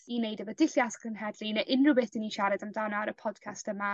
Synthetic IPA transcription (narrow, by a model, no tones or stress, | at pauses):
inejdəvədɪɬjaskʰənɦɛdlˠinaʔɪnrʊbɪθd̥iniʃaɾɛdamdanɔɾəpʰɔd̥̚kʰastəma